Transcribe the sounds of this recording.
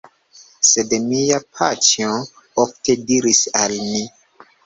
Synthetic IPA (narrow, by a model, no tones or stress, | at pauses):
sedmijapʰatio | ofte̞diɾisalmi